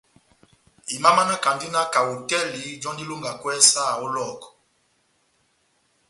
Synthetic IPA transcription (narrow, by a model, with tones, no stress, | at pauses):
i˨ma˦ma˦na˦ka˨ndi˦na˦ka˨u˨tɛ˦li˨˦d͡ʒɔ˦ndi˦lu˦ŋɡa˨kwɛ˦sa˦˨o˦lɔ˦˨kɔ̥˨